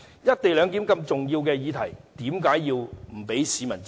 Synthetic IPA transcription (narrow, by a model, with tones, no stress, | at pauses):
jɐ˥t̚t̪e˨jlœː˨˧ŋk̪̬iː˨˥mkɐ˧mt͡sʊ˨ŋjiː˧wkɛː˧jiː˨˧t̪ʰɐ˨˩jt̪iː˨˥mkaː˨˥jːiː˧wm̩˨˩pe˨˥jsiː˨˥mɐ˨˩nt͡s